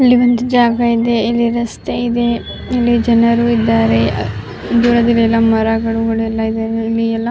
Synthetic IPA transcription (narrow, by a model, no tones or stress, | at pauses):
ɐlːiʋɐnd̪ud͡ʒaːɡɐid̪e̞ilːiɾɐst̪eid̪e̞ | ilːid͡ʒɐnɐɾuid̪ːaːɾe̞ | d̪uːɾɐd̪iliɛlːɐmɐɾaɡɐɽuɡɐɭuɛlːɐid̪aɾeilːiɛlːɐ